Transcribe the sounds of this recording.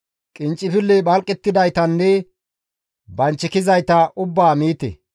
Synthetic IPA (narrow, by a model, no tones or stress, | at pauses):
kʼɪnt͡ʃʼːɪfɪlːɛbɐlkʼːɛt̪ːɪd̪ɐjt̪ɐnːɛ | bɐnt͡ʃːɪkɪzɐjt̪ɐʔʊbːaːmiːt̪ɛ̰